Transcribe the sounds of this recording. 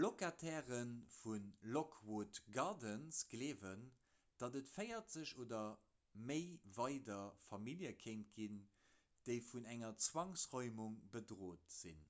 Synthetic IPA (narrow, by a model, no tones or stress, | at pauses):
lokatʰɛːʁənfunlokʰwoːtɡɑdənsɡ̥leːvən | d̥ɑdətfəɪɐtz̥əɕoːdɐ | məɪvɑɪdɐfɑmiljəkʰeɪnt̚ɡin | d̥əɪfunæŋɐt͡swɑŋsʁɔʏmuŋbədʁoːtz̥ḭn